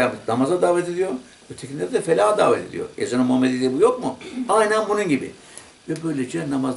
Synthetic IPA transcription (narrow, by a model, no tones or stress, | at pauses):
anamazad̪aːvɛt̪ʰed̪ijo | ut̪ʰecʰʲieɾd̪ɛfelʲaːd̪a̰ːvɛ̰t̪ʰed̪ḭjo̰ezonamuɦamːed̪ed̪ʲibujo̞k̚muajnʲænbununɟibḭ | vɛbø̞jlʲed͡ʒɛnamaz